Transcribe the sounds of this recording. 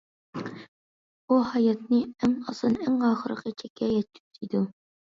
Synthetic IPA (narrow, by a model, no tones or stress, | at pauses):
uhɑjɑt̪̚nɨæŋɑsɨnæŋɑːχəɾə̰qət͡ʃʰɛkʲʰːɛjɛt̪t͡ʃʰy̥pt̪ʰid̪u